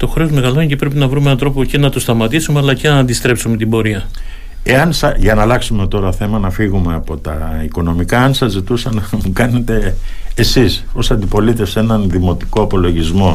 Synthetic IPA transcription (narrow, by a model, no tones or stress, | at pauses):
t̪o̞xɾe̞ozme̞ɣɐlo̞inʲcepɾe̞pinɐvɾumenɐnt̪ɾopocenɐt̪ust̪ɐmɐt̪isumeɐlɐcenɐːnd̪ist̪ɾe̞psume̞t̪ibo̞ɾiɐ | e̞ɐnsɐʝɐnɐlɐksume̞t̪o̞ɾɐθe̞mɐnɐfiɣume̞ɐpo̞t̪ɐ̰iko̞no̞mikɐɐnsɐzit̪usɐnɐmukɐne̞t̪e̞ːsiso̞sɐnd̪ipo̞lit̪efse̞nɐnðimo̞t̪i̥ko̞ɐpo̞lo̞ʝizmo̞